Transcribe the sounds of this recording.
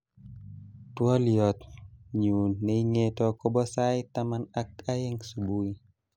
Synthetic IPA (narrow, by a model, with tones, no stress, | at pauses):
twɔ˦ljɔ˨t̪ɲu˨nːe˨iŋetɔkɔ˦bɔ˦sa˦jtamana˦ka˦je˦ŋsu˨bu˦i